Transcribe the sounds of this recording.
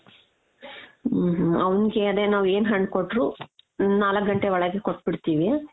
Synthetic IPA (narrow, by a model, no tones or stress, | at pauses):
ɦɐʋuniɡeɐd̪enaːʋeːnɦɐɳkoɖɾuːnaːlɐkɡɐɳʈeʋɐɭɐɡekoʈ̚ːbiɽt̪iːʋiaː